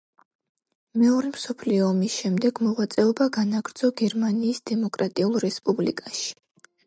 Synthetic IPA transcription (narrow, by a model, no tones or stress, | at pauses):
mɛɔɾɛmsɔpʰliɔːmisʃɛmd̪ɛɡmɔʁwat̪sʼɛɔbaɡanaɡɾd̪z̥ɔɡɛɾmaniːsd̪ɛmɔkʼɾat̪ʼiulˠɾɛspʼublḭkʼaʃi̥